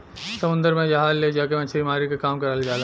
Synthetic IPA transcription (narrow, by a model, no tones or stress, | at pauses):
sɐmʊ̃nd̪əɾmẽd͡ʒɐɦaːzleːd͡ʒaːkemɛ̃t͡ʃːʃʰebʱimaːɾikekaːmkɐɾald͡ʒaːla